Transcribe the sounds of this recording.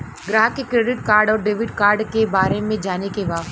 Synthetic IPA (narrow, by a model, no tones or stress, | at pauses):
ɡɾaːɦkekɾeːɖɪʈ̚kaːɾɖɔːɾɖeːʋɪʈkaːɾɖkebaːɾemẽd͡ʒaːnekeʋaː